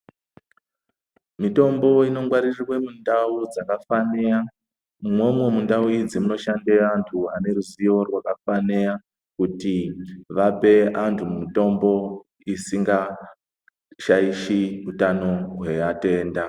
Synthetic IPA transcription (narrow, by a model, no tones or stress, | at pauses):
mito̞mbo̞ino̞ŋɡwaɾirirwe̞mundaud͡zakafanea | mwo̞mwe̞mundauid͡zimuno̞ʃandeantʰuane̞ruziʋo̞rwakafanea | kutiʋape̞antʰumumito̞mbo̞ | isiŋɡa | ʃaiʃiutano̞ɦweate̞ːnda